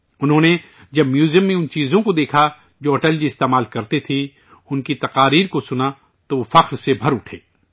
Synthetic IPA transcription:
ʊnɦõːne | d͡ʒɐbmjuːzijəmːẽʊnt͡ʃiːzõkod̪eːkʰa | d͡ʒoːɔːʈəld͡ʒiɪst̪eːmaːlkɐɾt̪et̪ʰĩ | ʊnkit̪ɐqaːɾiːɾkosʊna | t̪oʋofɐqɾsebʱɐɾʊʈʰḛː

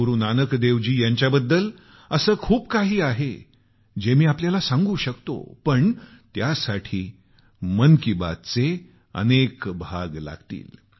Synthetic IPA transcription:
uɾunanəkd̪eʋd͡ʑiːjaɲt͡ɕjabəd̪ːəl | əsəːkʰuːpkaɦiːaɦe | d͡ʑemiːapljalasãŋɡũːɕəkt̪o̰pəɳt̪jasaʈʰiː | mənkiba̰d̪̚t͡se | ə̰nekbʱaɡla̰ɡt̪ḭːl

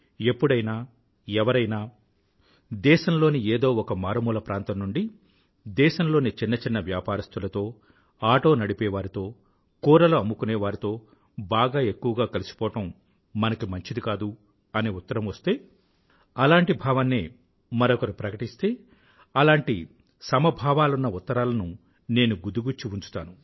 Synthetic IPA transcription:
e̞pːuɽɐjnaː | ɛʋɐɾɐjnaː | d̪ɛːʃɐmlo̞ːnieːd̪o̞ːɔkɐmaːɾɐmuːlɐpɾaːnt̪ɐmnuɳɖi | d̪ɛːʃɐmlo̞ːnit͡ʃinːɐt͡ʃinːɐʋjaːpaːɾɐst̪ulɐt̪o̞ː | aːʈo̞ːnɐɽipɛːʋaːɾit̪o̞ː | kuːɾɐloɐmːukuneːʋaːɾit̪o̞ː | baːɡaːe̞kːuʋɐɡaːkɐlisu̥pɔːʈɐm | mɐnɐkimɐɲt͡ʃid̪ikaːd̪u | ɐneːut̪ːɐɾɐmʋɐst̪e̞ː | ɐlaːɳʈibʱaːʋɐnːeː | mɐɾɔkɐɾupɾɐkɐʈist̪e̞ː | ɐlaːɳʈi | sɐmɐbʱaːʋaːlunːɐut̪ːɐɾaːlɐnu | ne̞ːnuɡud̪uɡut͡ʃːiuɲt͡ʃu̥t̪aːnu

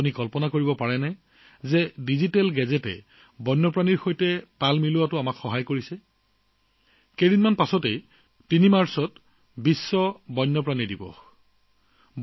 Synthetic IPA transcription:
unikɔlpɔnakoɹibɔpaɹɛnɛ | zɛdizitɛlɡɛzɛtɛ̰ | bɔjnːɔpɹaniɹxojtɛtalmilʊwatʊamakxɔɦajkoɹisɛ | kedinmanpasɔtej | tinimaɹsɔt | bisːɔbɔjnːɔpɹanidibɔ̰

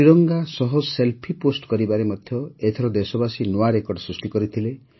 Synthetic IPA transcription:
iɾɔŋɡasɔɦɔselpʰiposʈkɔɾibaɾemɔd̪ʱjɔet̪ʰɔɾɔd̪esɔbasinoaɾekɔɾɖsɾisʈikɔɾit̪ʰile

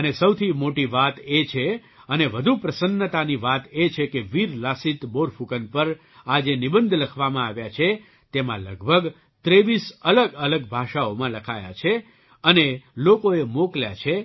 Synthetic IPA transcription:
ənesəwt̪ʰimoʈiʋat̪et͡ʃʰe | əneʋəd̪ʱupɾəsənːət̪aniʋat̪et͡ʃʰekeʋiɾlasit̪boɾfʰukənpəɾ | ad͡ʒenibənd̪ʱləkʰʋamãaʋjat͡ʃʰe | t̪emãləɡbʱəɡ | t̪ɾeʋisələɡələɡ̚bʱaʃaomãləkʰa̰ja̰t͡ʃʰe | ənelokoemoklja̰t͡ʃʰe

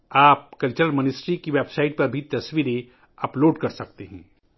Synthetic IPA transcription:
aːp̚kɐlt͡ʃəɾəlmənɪsʈɾikiʋeːbsaːɪʈ̚pɐɾbʱit̪ɐsʋiɾe | ɐploːɖkɐɾsɐk̚t̪eɦɛ̃ː

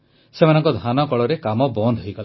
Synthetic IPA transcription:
semanɔŋkɔd̪ʱanɔkɔɭɔɾekamɔbɔnd̪ʱɦojɡala

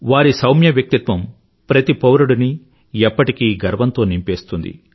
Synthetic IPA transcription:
ʋaːɾisɐwmjɐʋjɐk̚t̪it̪ʋɐm | pɾɐt̪ipɐwɾuɽuni | ɛpːɐʈikiːɡɐɾʋɐnt̪oːnimpeːst̪und̪ḭ

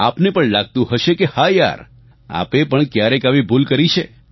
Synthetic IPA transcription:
a̰pnepəɳlaɡ̚t̪ũɦəʃekehaja̰ɾ | a̰pepəɳkjaɾekaʋibʱulkəɾit͡ʃʰe

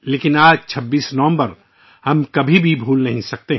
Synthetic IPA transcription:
leːkɪnaːd͡ʒt͡ʃʰɐbːiːsnɔ̃ːmbɐɾ | hɐmkɐbʱibʱibʱuːlnɐɦĩsɐk̚t̪eɦ

